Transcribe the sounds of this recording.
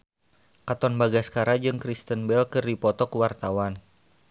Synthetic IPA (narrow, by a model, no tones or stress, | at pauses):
kat̪ɔnbaɡaskaɾad͡ʒɨŋkɾist̪ənbɛlkɨrdipɔt̪ɔkəwart̪awan